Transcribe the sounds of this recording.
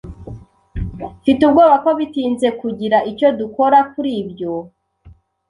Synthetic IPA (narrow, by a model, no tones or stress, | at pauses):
fitubɡoːβako̞βitiːnze̞kuɟiɾaʔico̞duko̞ɾakuɾiːbjo̞